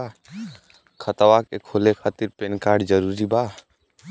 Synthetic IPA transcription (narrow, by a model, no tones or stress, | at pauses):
kʰət̪əwaːkekholekʰaːt̪iɾpenkaːɾɖd͡ʒəɾuːɾibaː